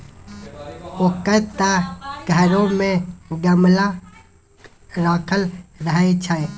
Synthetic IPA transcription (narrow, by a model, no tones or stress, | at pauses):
oːkət̪aɡʱəɾõmẽɡəmla | ɾaːkʰəlɾəɦet͡ʃʰaj